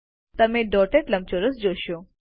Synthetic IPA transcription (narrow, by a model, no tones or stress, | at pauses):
t̪əmẽɖɔʈeʈləm̚t͡ʃoɾəsd͡ʒoʃo